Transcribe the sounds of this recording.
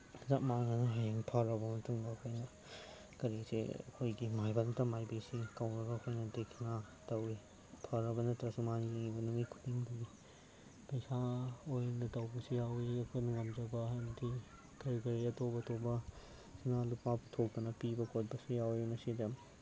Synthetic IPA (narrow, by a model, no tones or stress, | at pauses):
zamanɐnɐɦajaŋpʰɐɾɐbɐmɐtuŋbɐːkʰojnɐ | kɐɾesḛɐ̰kʰojɡimajbɐntɐmajbesikawnɐɾɐːkʰojnɐdekʰna | tɐwi | pʰɐɾɐbɐnɐtɾɐsumanileŋibɐnuŋikʰu̥diŋdɐɡi | pɐjsaojnɐtɐwbɐsijawiɐkʰojnɐŋɐmd͡ʒɐbɐamɐtʰi | kɐɾikɐɾiɐtobɐtʰobɐ | sinalupabtʰok̚d̪ɐnɐpibɐkʰot̚bɐsujawimɐsidɐ